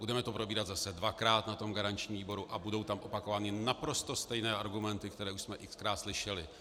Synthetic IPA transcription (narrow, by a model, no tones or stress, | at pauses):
budɛmɛt̪o̞pɾo̞biːɾat̪zasɛdvakɾaːt̪nat̪o̞mɡaɾaɲt͡ʃɲimviːbo̞ɾuʔabudo̞wt̪amʔo̞pako̞vaːnɪnapɾo̞st̪o̞st̪ɛjnɛːʔaɾɡumɛnt̪ɪkt̪ɛɾɛːuʃsmɛʔɪkskɾaːt̪slɪʃɛlɪ